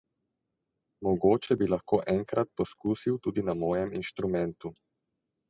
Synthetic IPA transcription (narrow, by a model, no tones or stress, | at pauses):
mɔɡoːt͡ʃɛbilaxkoːʔɛŋkɾat̪̚pɔskuːsiwt̪uːd̪inamɔːjɛminʃt̪ɾumɛnt̪u